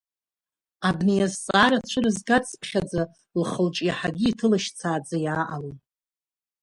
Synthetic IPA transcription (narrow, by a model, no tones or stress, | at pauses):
abnejazt͡sʼaːɾat͡ɕʷʰɨrɨzɡat͡sʰʼpʰχʲad͡za | lχəlt͡ʃʼjaħaɡʲiːtʰɨlaʃt͡sʰaːd͡zajaːʔalotʼ